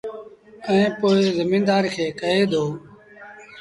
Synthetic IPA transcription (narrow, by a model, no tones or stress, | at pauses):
əĩːpoːezɪmĩːnd̪aːɾikʰeːkəɦeːd̪oː